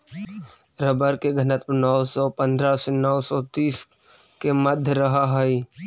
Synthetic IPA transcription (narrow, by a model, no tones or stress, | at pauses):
ɾəbəɾkeɡʱənət̪nɔsɔːpə̃nd̪ɾasenɔsɔt̪iːs | keməd̪ʱjəɾəɦaɦəi